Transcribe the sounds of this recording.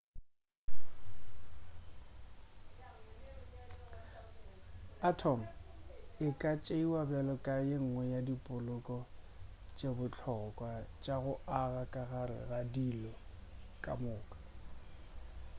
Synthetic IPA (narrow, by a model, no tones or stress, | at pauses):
atʰɔm̩ɪkʼat͡ʃʼeiwabɛlɔkʼajeŋ̩ŋwɛjadipʼʊlʊkʼɔ | t͡ʃʼebʊt͡ɬʰɔɣɔkʼwat͡ʃʼaɣʊaɣakʼaɣaɾɪ̰ɣadilɔkʼamʊːkʼḁ